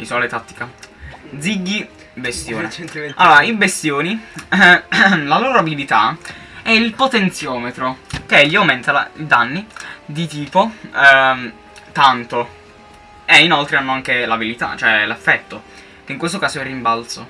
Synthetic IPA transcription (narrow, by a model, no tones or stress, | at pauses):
isɔːlet̪at̪ːi̥kad̪ziɡːi | best̪joːnealːoːɾaibest̪joːni | laloːɾoabilit̪aɛilpot̪ent̪sjɔːmet̪ɾokeʎːiawment̪aa̰id̪anːid̪it̪iːpo | t̪ant̪o | einolt̪ɾeanːoaŋk̟elavilit̪a̰t͡ʃoɛlefːɛt̪ːo | keiŋkwest̪okaːsoɛrːimbalt̪so